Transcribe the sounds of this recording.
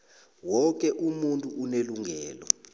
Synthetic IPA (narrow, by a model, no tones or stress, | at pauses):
wɔk̬ʼɛʔumuntʼuuneluŋɡʱɛːlɔ